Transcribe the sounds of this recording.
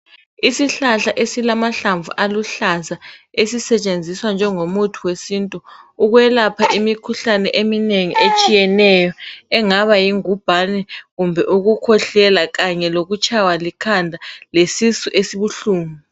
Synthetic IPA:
isiɬaɬaʔesilamaɬaɱvṵʔaluɬazaesisɛt͡ʃʼend͡zʱiswand͡ʒʱɛŋomutʰuwesintʼuuɣwɛlapʰaʔimikʰuɬanɛʔemineŋiʔet͡ʃʼijɛnɛjɔɛŋaβajiŋub̥ʱanɛɣumbʱɛʔuɣukʰɔɬɛlaɣaɲɛloɣut͡ʃʼʰawalikʰandʱalesisuʔesiβuɬuːmu

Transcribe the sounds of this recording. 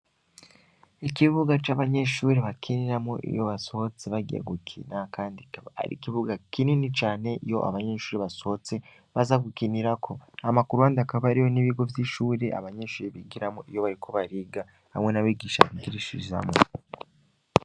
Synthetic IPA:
ikiβuɡat͡ʃaːβaɲe̞ʃuːɾiβakʰiniɾamoʔḭjo̞βaso̞t͡seβaɡiḛɡukʰḭnakaːndia̰ɾḭkiβuɡakininit͡ʃaːne̞ijo̞̰ʔa̰βaɲe̞ːʃuːɾiβasot͡se | βazaɡukiniɾakʰo̞amakuɾuaːndakaβaɾijo̞niβiɡo̞vjiʃuːɾeʔa̰βaɲe̞ːʃuːɾiβiɡiɾamo̰ʔijo̞βaɾikʰo̞βaɾiːɡa | ha̰mŋe̞naβiːɡiːʃa̰βiɡiɾiʃḭʒa̰mo

